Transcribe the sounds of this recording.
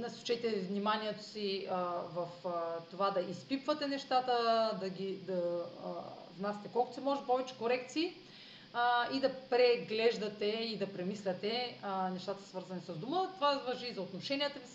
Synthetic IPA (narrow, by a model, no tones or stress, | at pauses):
nɐsu̥t͡ʃɛt̪ɛvnimaniɛt̪o̥sivɐft̪ovad̪ɐʔispipvət̪ɛnɛʃt̪at̪əd̪ɐɡʲid̪ɐ | vnasʲɛ̥t̪ɛkɔlˠkot̪o̥sɛmɔʒɛpɔvɛt͡ʃɛ̥koɾɛkt̪siː | id̪ɐpɾɛɡlɛʒd̪ɐt̪ɛid̪ɐpɾɛmislʲɐt̪ɛnɛʃt̪at̪ə̥svəɾzɐnisɐzd̪umət̪ovavɐʒizɐot̪noʃɛniɛt̪əvi